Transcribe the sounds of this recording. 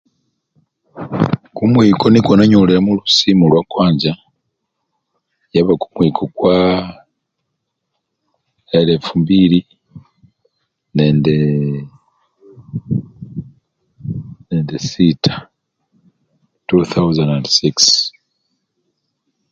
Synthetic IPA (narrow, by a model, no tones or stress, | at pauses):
kumwiːkʰo̞nikonaɲuliɾamulusimulwakwaːɲɟa | jaβakumwikʰokwa | elefumbiɾi | nende | nendesitʰḁ | tuθawzandandsiks